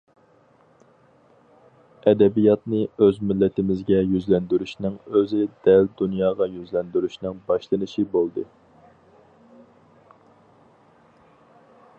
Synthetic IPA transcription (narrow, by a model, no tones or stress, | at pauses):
ɛd̪ɛbijɑt̪nɨøzmɪlːɛt̪ɪmɪzɡʲɛjyzlɛnd̪yɾyʃnɪŋøzɪd̪̥ɛld̪unjɑːʁɑjyzlɛnd̪yɾyʃnɪŋbɑʃlˠɨnɨʃibolˠd̪ɨ